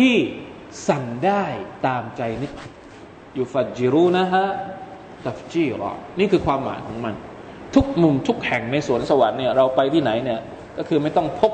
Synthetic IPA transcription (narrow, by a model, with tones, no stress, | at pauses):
t̪ʰiː˥˩ | sa˨˩ŋdaː˥˩jt̪aː˧mt͡ɕa˧jnɯ˦˥k̪̚ | juː˨˩fa˨˩t̪̚d͡ʒi˨˧ɾuː˥˩na˦˥ɦa˦˥ | t̪a˨˩ft͡ɕiː˥˩ɾɔ̰ː˧˩niː˥˩kʰɯː˧kʰwaː˧mːa̰ː˩˦jkʰɔː˩˦ŋma˧n | t̪ʰu˦˥k̚mu˧mt̪ʰu˦˥k̚hɛ˨˩ŋna˧jsu˩˦ənsa˧wa˨˦nːi˥˩ɐɾa˧wpa˧jt̪ʰiː˥˩na˩˦jni˥˩ɐ | kɔ˥˩kʰɯː˧ma˥˩jt̪ɔ˥˩ŋpʰo˦˥p̚